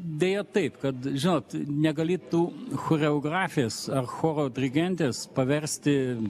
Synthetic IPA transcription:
d̪ʲeːjɛt̪ɐɪpkɐt̪ʒʲɪnoːt̪nʲɛɡɐlʲiːtt̪uːxoːɾʲɛoːɡɾɑːfʲɪjeːsɐrxoːɾoːd̪ʲɾʲɪɡʲɛnʲt̪ʲeːspɐʋʲɛɾʲsʲt̪ʲɪ

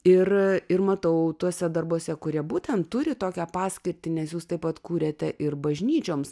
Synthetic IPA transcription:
ɪrɪrmɐt̪ɐʊt̪uɔsʲɛd̪ɐrboɔsʲɛkʊɾʲiɛbuːt̪ʲɛnt̪t̪ːʊɾʲɪt̪oːkʲæpɑːsʲkʲɪɾʲt̪ʲɪnʲɛsjuːst̪ɐɪpɐt̪kuːɾʲeːt̪ʲɛʔɪrbɐʒʲnʲiːt͡ʃʲoːms

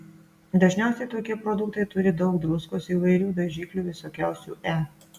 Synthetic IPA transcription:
d̪ɐʒʲnʲæˑʊsʲɛɪt̪oːkʲiɛpɾɔd̪ʊkt̪ɐɪt̪ʊɾʲɪd̪ɒʊkd̪ɾʊskoːsiːʋɐɪɾʲuːd̪ɐʒʲiːklʲuːʋʲɪsoːkʲæˑʊsʲṵːʔæː

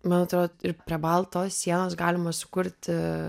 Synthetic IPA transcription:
mɑːnɐt̪ɾoːd̪ɪɾpʲɾʲiɛbɐlˠt̪oːssʲiɛnoːsɡɑːlʲɪmɐsʊ̥kʊɾʲt̪ʲ

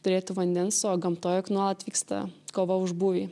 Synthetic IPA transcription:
t̪ʊɾʲeːt̪ʊʋɐnʲd̪ʲɛnsoːɡɐmt̪oːjoknuɔlˠɐt̪ʲʋʲiːkst̪ɐ̰koːʋɐʊʒbuːʋʲiː

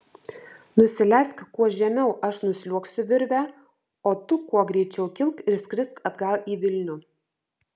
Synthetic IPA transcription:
nʊsʲɪlʲæˑskkuɔʒʲɛmʲɛʊʔɐʃnʊsʲlʲuɔksʲʊʋʲɪɾʲʋʲæ | oːt̪ʊkuɔɡɾʲɛɪt͡ʃʲɛʊkʲɪlˠkɪɾsʲkɾʲɪskɐd̪ɡɑlˠiːʋʲɪlʲnʲʊ

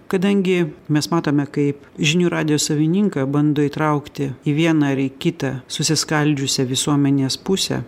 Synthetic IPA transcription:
kɐd̪ɐŋʲɡʲɪmʲɛsmɑːt̪oːmʲɛkɐɪp | ʒʲɪnʲuːɾɑːd̪ʲɪjoːsɐʋʲɪnʲiŋkɑbɐnd̪oːiːt̪ɾɐʊkt̪ʲɪiʋʲiɛnɐɪɾɪkʲɪt̪ɐsʊsʲɪskɐlʲd͡ʒʲʊsʲɛʋʲɪsuɔmʲɛnʲeːspʊsʲɛ̰

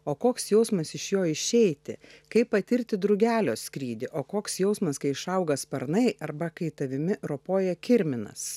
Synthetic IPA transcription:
oːkoːksjɛʊsmɐsɪʃjoːɪʃʲɛɪt̪ʲɪ̰kɐɪpːɐt̪ʲɪɾʲt̪ʲɪd̪ɾʊɡʲæːlʲoːskɾʲiːd̪ʲɪʔoːkoːksjɛʊsmɐskɐɪɪʃɐʊɡɐspɐɾnɐɪʔɐɾbɐkɐɪt̪ɐʋʲɪmʲɪɾopoːjɛkʲɪɾʲmʲɪnɐ̰s

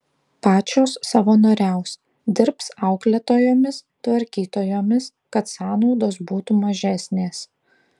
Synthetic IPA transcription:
pɑːt͡ʃʲoːsːɐʋɐnoːɾʲɛʊs | d̪ʲɪɾpsɑˑʊklʲɛt̪oːjoːmʲɪs | t̪ʋɐɾʲkʲiːt̪oːjoːmʲɪs | kɐt̪sɑːnɔʊd̪oːsbuːt̪umɐʒʲæːsʲnʲeːs

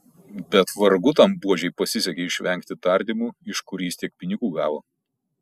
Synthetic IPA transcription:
bʲɛt̪ʋɐɾɡʊt̪ɐmbuɔʒʲɛɪpɐsʲɪsʲɛkʲeɪʃʲʋʲɛŋʲkt̪ʲɪt̪ɐˑɾʲd̪ʲimuːɪʃkʊɾʲiːst̪ʲiɛk̚pʲɪnʲɪɡuːɡɑːʋoː

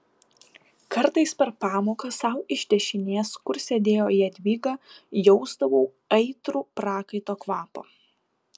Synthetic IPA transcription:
kɐɾt̪ɐɪspʲɛɾpɑːmoːkɐsɑˑʊɪʃʲt̪ʲɛʃʲɪnʲeːskʊɾsʲɛd̪ʲeːjoːiːɐd̪ʲʋʲiːɡɑːjɔʊzd̪ɐʋuː | ɐɪt̪ɾuːpɾɑːkɐɪt̪oːkʋɑːpo̰ː

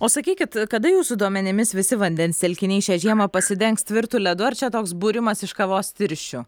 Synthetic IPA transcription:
oːsɐkʲiːkʲɪt̪kɐd̪ɐjuːsʊd̪uɔmʲɛnʲɪmʲɪsʋʲɪsʲɪʋɐnʲd̪ʲɛnʲsʲt̪ʲɛlʲkʲɪnʲɛɪʃʲɛʒʲiɛmɐpɐsʲɪd̪ʲɛŋkst̪ʲʋʲɪɾt̪ulʲɛd̪ʊɐɾt͡ʃʲɛt̪oːksbuːɾʲɪmɐsɪʃkɐʋoːst̪ʲɪɾʲʃʲʊ

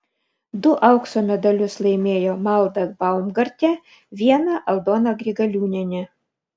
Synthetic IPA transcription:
d̪ʊʔɐʊksoːmʲɛd̪ɐlʲʊslˠɐɪmʲeːjoːmɐlˠd̪ɐbɐʊmɡɐɾʲt̪ʲɛ | ʋʲiɛnɐʔɐlˠd̪oːnɐɡɾʲiɡɐlʲuːnʲɛnʲɛ

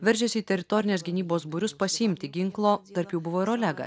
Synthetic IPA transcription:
ʋʲɛɾʲʒʲɛsʲɪiːt̪ʲɛɾʲɪt̪ɔɾʲɪnʲeːsʲɡʲɪnʲiːboːsbʊɾʲʊspɐsʲɪɪmʲt̪ʲɪɡʲɪŋklˠoːt̪ɐɾpjuːbʊʋoːɪɾoːlʲɛɡɐ̰

